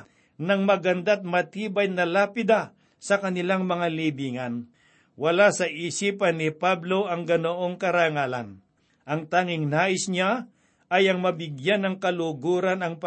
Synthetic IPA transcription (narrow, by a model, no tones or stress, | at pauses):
nɐŋmɐɡɐnd̪at̪̚mɐt̪iːbɐjnɐlaːpɪd̪a | sɐkɐnɪlaŋmɐŋalibiːŋɐn | wɐlasɐʔisiːpɐnɪpablo̞ʔɐŋɡɐnoʔo̞ŋkɐɾaŋaːlɐ̰n | ʔɐŋt̪aːŋɪŋnaːʔɪsɲa | ɐjɐŋmɐbɪɡjanːɐŋkɐlʊɡuːɾɐnɐŋp